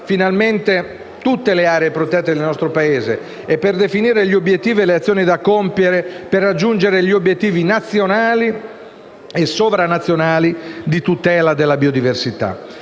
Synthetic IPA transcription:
finalment̪e | t̪ut̪ːeleaːɾeeːpɾot̪ɛt̪ːed̪elnɔst̪ɾopaeːze | epːerd̪efiniːɾeʎːiobjet̪ːiːvileat̪sːjoːnid̪akompjeɾeperːad͡ʒːund͡ʒeɾeʎiobːjet̪ːiːvinat̪sjonaːli | esovɾanːat̪sːjonaːlid̪it̪ut̪ɛːlad̪elːabiod̪iversit̪a̰

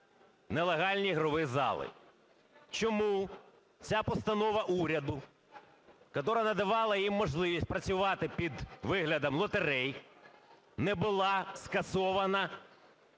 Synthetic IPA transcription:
nɛlˠeɦɑlʲnʲiɦɾɔʋɪzɑ̰lˠɪ̰ | t͡ʃɔmu | t͡sʲapɔst̪ɐnɔʋɐʔuɾʲɐd̪ʊ | kɔt̪ɔɾɐnɐd̪ɐʋɑlˠɐjimːɔʒlˠɪʋʲisʲt̚ʲpɾɐt͡sʲʊʋɑt̪ɪpʲid̪ʋɪɦlʲɐd̪ɐmlˠɔt̪eɾɛj | nɛbʊlˠɑskɐsɔʋɐnɐ

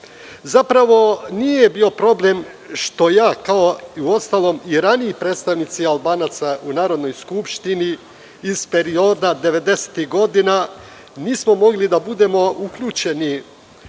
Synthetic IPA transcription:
zapɾaʋo̞nije̞bio̞pɾo̞ble̞m | ʃt̪o̞jaːkao̞iuo̞st̪alˠo̞miɾaniipɾeːt̪st̪aʋnit̪sialˠbaːnat̪saʔunaːɾo̞d̪no̞jskupʃt̪iniː | zpe̞ɾio̞d̪ad̪e̞ʋe̞d̪e̞se̥t̪iɦɡo̞d̪ina | niːsmo̞mo̞ɡlid̪abud̪e̞mo̞ukʎuːt͡ʃe̞ni

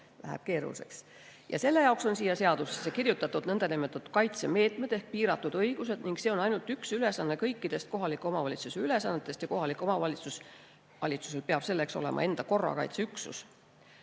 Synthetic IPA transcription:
læ̰ɦæ̰b̥̚ke̞ːɾṵse̞̰ks | jɑ̰se̞lːe̞jɑokso̞nsiːjɑse̞ɑd̪̥usesekirjut̪ːˑɑt̪ːud̪̥nɤnd̪̥ɑnimet̪ːˑɑt̪ːˑu̥kɑjt̪seme̞ːt̪me̞d̪e̞hk̚piːɾɑt̪ːˑud̪̥ɤjɡ̥use̞d̪̥niŋɡ̥se̞o̞nɑjnult̪yksyle̞sɑnːe̞kɤjkˑːid̪̥e̞st̪̚ko̞ɦɑlikːˑo̞mɑvɑlit̪suseyle̞sɑnːe̞t̪ːˑest̪jɑko̞ɦɑlikːˑo̞mɑvɑlʲit̪sus | vɑlʲit̪su̥se̞lpeɑb̥se̞lːe̞kso̞le̞̰mʔɑ̰e̞nd̪̥ɑko̞rːɑ̰kɑ̰jt̪seyksṵs

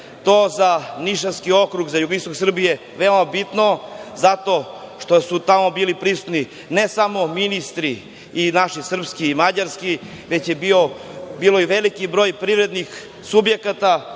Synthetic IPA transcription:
t̪oːzaniʃanskio̞kɾuɡzajuɡoist̪oksr̩bije̞ | ʋe̞omabit̪nozat̪o̞ʃt̪osut̪amobiːlipɾisu̥t̪ni | nesamo̞minist̪ɾiː | naʃisr̩pskiːmad͡ʑaɾski | ʋe̞t͡ɕjebiobiːlo̞iʋelikibɾo̞ːjpɾiʋɾe̞d̪nix | subje̞kat̪a

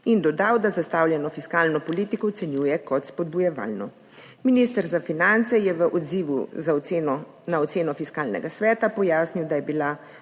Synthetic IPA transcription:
ind̪ɔd̪awd̪azast̪awljɛnɔfiskaːlnɔpɔliːt̪ikɔwt̪sɛnjuːjɛkɔt̪spɔd̪̚bujɛʋa̰ːlnɔ | minist̪əɾzafinant̪sɛjɛʋəʔɔd̪ziːʋṵza | naɔt̪seːnɔfiskaːlnɛ̰ɡasʋɛːt̪apɔjaːsniwd̪ajɛbila

